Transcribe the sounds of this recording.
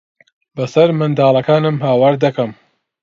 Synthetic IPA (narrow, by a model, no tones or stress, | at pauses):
bɐsɐɾmɨnd̪aːlˠɐkaːnɨmhaːwaːɾd̪ɐkɐm